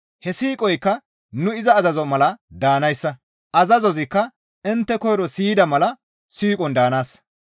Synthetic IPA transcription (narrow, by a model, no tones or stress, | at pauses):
hɛsiːkʼɔjkːɐ | nʊɪzɐːzɐzɔmɐlɐd̪aːnɐjsːɐ | ʔɐzɐzɔzɪkːɐ | ɪnt̪ːɛkɔjɾɔsiːd̪ɐmɐlɐ | siːkʼɔnd̪aːnaːs